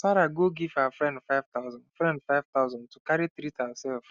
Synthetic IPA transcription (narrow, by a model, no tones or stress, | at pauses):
saɾaɡoɡiv̥awafɹɛ̃ndfaɪv̥t̪aʊzãndfɹɛ̃ndfaɪv̥t̪aʊzãnd̚tʰukaɾitɾitasɛlf